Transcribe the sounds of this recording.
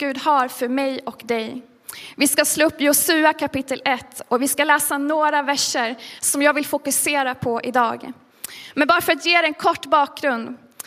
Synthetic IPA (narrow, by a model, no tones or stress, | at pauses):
ɡʉ̟ːd̪haɾfœɾmɛjɔkd̪ɛj | vɪskasloːɵpːjʊsʉ̟ːakʰapɪt̪ʰːəlʔɛt̪ːɔkvɪskalɛːsanoːɾavæʂːəɾsɔmjɑːɡvɪlfʊkɵseːɾapʰɔʔɪd̪ɑ̰ːɡ | mɛnbɑːɾafœɾat̪jeːd̪ɛɛnkʰɔʈːbɑːk̚ɡɾɵnd̪